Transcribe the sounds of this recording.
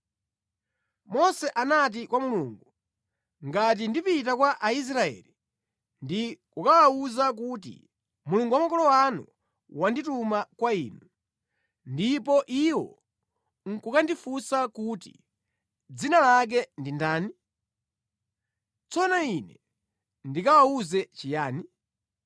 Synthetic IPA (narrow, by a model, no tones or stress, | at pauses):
mɔsɛʔanat̬ikwamuluːŋɡu | ŋɡat̬indipitakwaʔais̬ɾaɛ̰ːli | ndikukawauzak̬ut̬ḭ | muluŋɡuwamakɔlɔwanṵ | wanditumakwaḭːnu | ndipɔʔiwɔ̰ | ŋ̩kukandifusakuːtḭ | d͡zinalak̬ɛndindaːni | t͡sɔnainɛ̰ | ndikawauzɛt͡ʃijaːni